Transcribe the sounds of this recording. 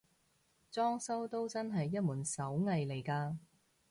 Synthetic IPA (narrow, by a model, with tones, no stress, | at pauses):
t͡sɔː˥ŋsɐ˥wt̪o˥wt͡sɐ˥nɦɐ˨jːɐ˥t̚muː˨˩nsɐ˨˥wŋɐ˨˧jle˨˩jkaː˧